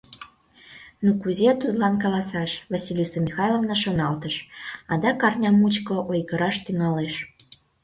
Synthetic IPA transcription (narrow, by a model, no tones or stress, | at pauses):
nokuzet̪ud̪lɑnkɑlɑsɑʃvɑsʲilʲisomʲixɑjlˠomnɑʃonɑlt̪əʃɑd̪ɑkɑrnʲɑmut͡ɕkoʔojkəɾɑʃt̪yŋɑleʃ